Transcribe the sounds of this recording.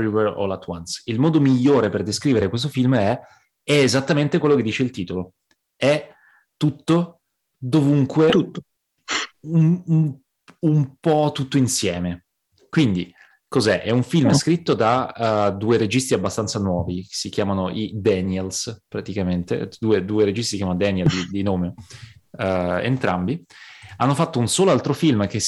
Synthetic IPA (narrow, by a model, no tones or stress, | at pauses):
ivɛro̰lat̪ːwa̰nsilmɔːd̪omiʎːoːɾeperd̪eskɾiːveɾekwest̪ofilmɛ | ɛezat̪ːament̪ekwelːoked̪iːt͡ʃeilt̪iːt̪olo | ɛ | t̪ːut̪ːo | d̪ovuŋkwe | umu | umpɔt̪ːut̪ːoinsjɛːme | kwind̪i | kozɛʔɛuɱfilmskɾit̪ːod̪ad̪uːeɾed͡ʒist̪iabːast̪ant̪sanwɔːviksikjaːmanoʔid̪ɛnɛlspɾat̪ikament̪ḛd̪uːed̪uːeɾed͡ʒist̪isikjamanod̪ɛnjɛld̪id̪inoːme | ḛnt̪ɾambianːofat̪ːounsoːloalt̪ɾofilmk̟e